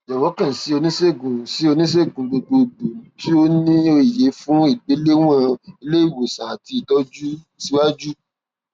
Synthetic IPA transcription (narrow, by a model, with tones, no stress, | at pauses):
jɔ˨wɔ˨˦kã˦˨si˨˦o˧nĩ˦se˦˨ɡũ˨si˨˦o˧nĩ˦s̬e˦˨ɡũ˨lo˧ɡ͡bo˧do˨ti˦o˦nĩ˦o˧i˨je˨˦fũ˦i˦˨ɡ͡be˨˦le˦w̃ã˦e˧le˦i˦˨wo˨sã˨a˨ti˧i˨tɔ˦d͡ʒu˦ | si˦wa˦d͡ʒu˦